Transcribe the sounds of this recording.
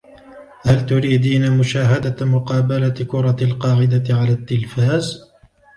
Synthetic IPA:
halt̪ʊɾiːd̪iːnamʊʃaːɦad̪amʊqɑːbalakʊɾˤɑlqɑːʕɪd̪aɪʕalaːt̪ːɪlfaːz

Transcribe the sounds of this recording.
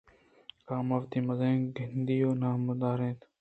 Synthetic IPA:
kaːmaːft̪iːməzẽːɡʱɪnd̪iːoːnaːməd̪aːɾẽːt̪

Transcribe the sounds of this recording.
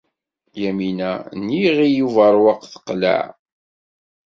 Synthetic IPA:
jæminæniʁijuvəɾˤwɑqθə̥qlæ̰ʕ

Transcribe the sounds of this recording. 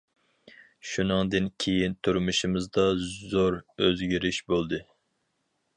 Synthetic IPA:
ʃunɨŋd̪ɨnkʲʰejint̪ʰuɾmuʃimɨzd̪ɑzoɾøzɡʲiɾiʃbolˠd̪ɨ

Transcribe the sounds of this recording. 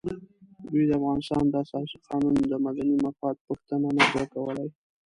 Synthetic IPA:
d̪ujd̪əafɣɑnɪst̪ɑ̰nd̪ɑasɑsiqɑnund̪əmad̪animafɑd̪̚pəxt̪ənanazəkawəlaj

